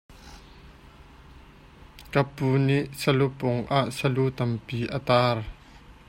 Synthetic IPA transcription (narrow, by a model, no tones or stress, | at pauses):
kɐpuːniʔsəlupʊŋʔaʔsəlut̪ɐmpiːʔət̪aːr